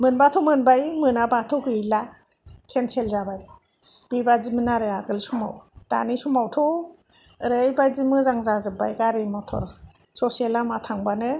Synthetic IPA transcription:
mɯnbatʰɔmɯnbajmɯnabatʰɔwɡɯjla | kʰensʰelzabaj | b̥ibazimɯnaɾɯaɡɯlsuma̰wd̥a̰nisumawtʰɔ | ɾejbajzimɯzaŋzazɯba̰jɡaɾemɔtʰɔ̰ɾsɔsielamatʰaŋbanɯ

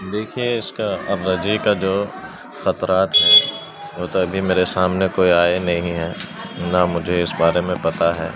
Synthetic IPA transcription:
d̪eːkʰieɪskaɐɾɾɐd͡ʒikad͡ʒoː | xɐt̪ɾaːt̪ɦɛː | ʋoːt̪oɐbʱimeːɾesaːmnekoːiaːenɐɦĩɦɛːnamʊd͡ʒʱeɪsbaːɾemẽpɐt̪aɦɛ̰ː

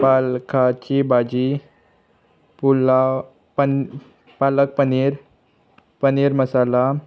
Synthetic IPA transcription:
palkat͡ɕibad͡ʑi | pula | palək̚pəniɾ | pəniɾməsala

